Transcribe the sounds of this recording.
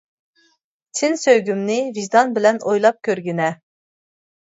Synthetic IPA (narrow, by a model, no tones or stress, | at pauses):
t͡ʃʰɪnsøjɡʲymnɪvizd̪ɑnbɪlɛnojlˠɑp̚kʲʰøɾɡʲinɛ